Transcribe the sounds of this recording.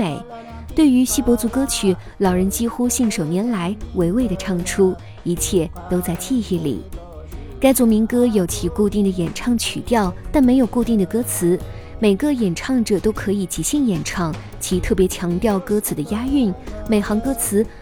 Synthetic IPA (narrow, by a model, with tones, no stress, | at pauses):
e˨˩˦ɪ | t̪we˥˩ɪy˧˥ɕi˥pwɔ˧˥t͡su˧˥kɤ˥t͡ɕʰy˨˩˦ | lɑ˨˩ʊɻə˧˥nt͡ɕi˥xu˥ɕi˥˩ŋʂo˨˩ʊnjɛ˧˥nla˧˥ɪwe˧˥ɪwe˥˩ɪd̪ə˩ʈ͡ʂʰɑ˥˩ŋʈ͡ʂʰu˥ | i˧˥t͡ɕʰjɛ˥˩t̪o˥ʊt͡sa˥˧ɪt͡ɕʰi˥˧xi˥˩lḭ˨˩˦ | ka˥ɪt͡swɔ˧˥mi˧˥ŋkɤ˥jo˧˩ʊt͡ɕʰi˧˥ku˥˧t̪i˥˩ŋd̪ə˩jɛ˨˩nʈ͡ʂʰɑ˥˩ŋt͡ɕʰy̰˨˩t̪jɑ˥˧ʊt̪a˥˩nme˧˥ɪjo˨˩ʊku˥˧t̪i˥˩ŋd̪ə˩kɤ˥t͡sʰɹ̩˧˥ | me˨˩ɪɡə˥˧jɛ˨˩nʈ͡ʂʰɑ˥˩ŋʈ͡ʂɤ˨˩t̪o˥ʊkʰɤ˧˥i˨˩t͡ɕi˨˩ɕi˥˩ŋjɛ˨˩nʈ͡ʂʰɑ˥˩ŋ | t͡ɕʰi˧˥t̪ʰɤ˥˩p̬jɛ˧˥t͡ɕʰjɑ˧˥ŋt̪jɑ˥˩ʊkɤ˥t͡sʰɹ̩˧˥d̪ə˧ja˥y˥˩nme˨˩ɪxɑ˧˥ŋkɤ˥t͡sʰɹ̩˧˥